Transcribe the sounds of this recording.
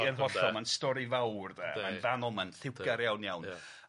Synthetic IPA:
ənɦɔɬɔmanstɔɾivawrðɛ̰manvanɔmanθɪwɡaɾjawnjawn

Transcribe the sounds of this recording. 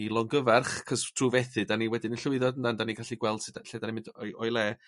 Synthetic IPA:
ilˠɔŋɡəvarχkʰəstʰruvɛθɨdaniwɛdɪnənɬʊɨðɔdəndandaniɡaɬiɡwɛlˠd̥sɪdaɬedanimɪndɔɔjlˠɛ

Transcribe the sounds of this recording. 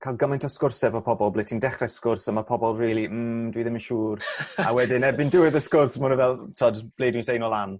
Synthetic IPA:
kʰalˠɡəmajntʰɔskʊrsɛvɔpʰɔbɔlˠblˠɪtʰindɛχraskʊrsəmapʰɔbɔlˠriːlˠim̩ːdwiðɪmənʃuːrawɛdɪnɛbɪndɪwɪðəskʊrsmʊnəvɛlˠtʰɔdb̥leːdwisejnɔlˠan

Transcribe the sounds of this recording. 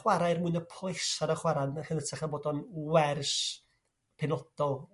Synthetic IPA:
waɾajrmuɨnəpʰɔjsaɾəχwaɾanəχiðətʰaχaboːdɔnwɛrs | pʰɪnɔd̥ɔlˠ

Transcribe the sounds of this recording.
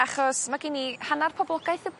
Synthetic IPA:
aχɔsmaɡinihanarpʰɔblˠɔɡajθəb

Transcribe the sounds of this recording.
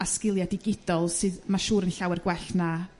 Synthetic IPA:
askɪlˠjadɪɡɪd̥ɔlˠsɨðmaʃuːɾənɬawɛrɡwɛɬna

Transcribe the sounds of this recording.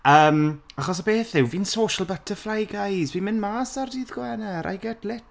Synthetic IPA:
əːmaχɔsabeːθðɪwvinsoːʃəlˠbətʰəflajɡajzvimɪnmaːsardiːðɡwɛnɛɾʔa̰jɡɛdlɪt

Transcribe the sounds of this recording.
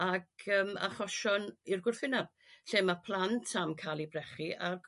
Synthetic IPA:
aɡəːma̰χɔʃɔnirɡʊrθɪnab̥̚ | ɬeːmapʰlˠantʰamkʰaːlˠibrɛχiʔar

